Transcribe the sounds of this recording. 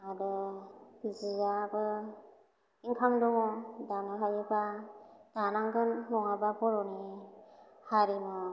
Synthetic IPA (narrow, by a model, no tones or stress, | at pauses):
aɾɯ | zijabɯ | iŋkʰamdɔŋɔdanaɦajɯbad̥anaŋɡɯnlɔŋababɔɾɔni | haɾimɯ